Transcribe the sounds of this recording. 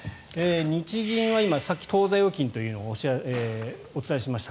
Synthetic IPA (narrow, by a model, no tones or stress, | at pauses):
eɲ̟it͡ɕiɡʲĩɰ̃βaimasakʲːi̥t̪o̞ːzajo̞kʲĩnt̪o̞jɯ̟ːno̞ɕe | ot͡sɨ̥t̪aeɕimaɕi̥t̪a